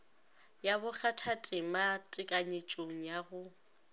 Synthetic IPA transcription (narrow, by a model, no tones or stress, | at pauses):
jabʊk͡xatʰatʼɪmatʼɪkʼaɲet͡ʃʼoŋ̩jaɣʊ